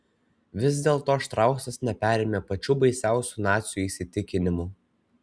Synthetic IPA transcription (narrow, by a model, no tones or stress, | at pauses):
ʋʲɪz̬d̪ʲeːlˠt̪oːʃt̪ɾɑˑʊksɐsnʲɛpʲæɾʲeːmʲeːpɐt͡ʃʲuːbɐɪsʲæˑʊsʲuːnɑːt̪ʲsʲjuːiːsʲɪt̪ʲɪkʲɪnʲɪmuː